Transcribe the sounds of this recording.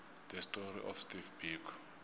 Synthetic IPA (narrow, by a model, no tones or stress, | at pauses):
d̪̥ɛstɔɾiʔɔfstifbik